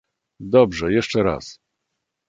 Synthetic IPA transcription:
d̪ɔbʐɛjɛʂt͡ʂɛɾa̰s

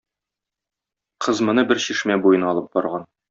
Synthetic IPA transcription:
qʰɤ̆zmɤ̆nɤbɘɾɕiʃmæbujɤnɒlˠɤp̚bɒɾʁɑn

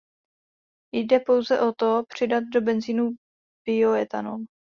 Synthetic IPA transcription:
jdɛpo̞wzɛʔo̞t̪o̞pr̝̥ɪdat̪̚do̞bɛnziːnu | b̥ɪoɛt̪a̰no̰m

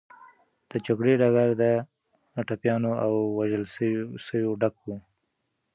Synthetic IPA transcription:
d̪̥əd͡ʒaɡɽeɖaɡaɾd̪ə | ʈapjɑnoawːaʒəlssəwjoɖakwu

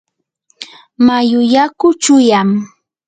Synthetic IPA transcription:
majʊjakʊt͡ʃʊjam

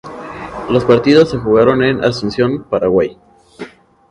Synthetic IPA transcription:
lo̞spaɾt̪iðo̞sːe̞xuɣaɾo̞ne̞nʔa̰sunsjo̞npaɾaɣwaj

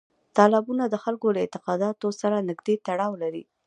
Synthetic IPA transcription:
t̪ɑlɑbunad̪əxalkoləɪnt̪ɪqɑd̪ɑt̪osaɾanɪɡd̪et̪aɽɑwlaɾḭ

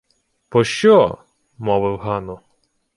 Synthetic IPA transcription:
pɔʃt͡ʃɔ | mɔʋɪwɦɑnɔ

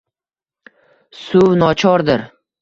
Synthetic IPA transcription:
sʊwnɒt͡ʃʰɒɾd̪ɪɾ

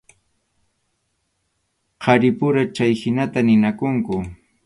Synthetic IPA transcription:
qʰɑɾɪpʊɾat͡ʃajhɪnat̪anɪnakʊŋkʊ

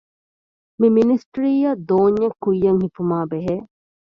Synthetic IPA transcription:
miminisʈɾiːjɐd̪oːɲːɐkːujːɐŋhifumaːbeɦeː

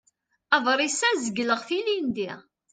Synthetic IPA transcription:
ɑvˤɾˤisæzəɡləʁθilind̪i

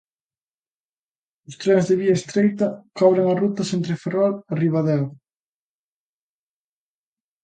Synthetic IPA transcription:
ʊst̪ɾɛŋzðɪβiɐest̪ɾejt̪ɐkɔβɾeŋɐrut̪ɐsent̪ɾɪferɔlɪriβaðɛw

